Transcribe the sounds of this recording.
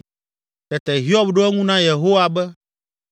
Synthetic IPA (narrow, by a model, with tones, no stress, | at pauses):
t̪ɛ˨t̪ɛ˨ɦi˦ɔ˦bɖo˦ɛ˦ŋũ˦nã˦je˨ɦo˦wa˨bɛ˦